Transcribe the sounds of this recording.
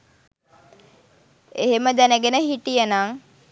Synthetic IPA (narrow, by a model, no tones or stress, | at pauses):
eɦeməd̪ænəɡenəɦiʈijənaŋ